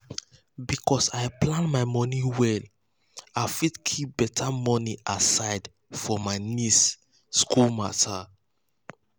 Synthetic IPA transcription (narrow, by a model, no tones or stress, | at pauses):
bikʰɔsaɪplãnmaɪmɔniwɛl | afidkʰip̚b̥ɛtʰamɔniʔasaɪd | fɔmaɪnisː | kulma̰ta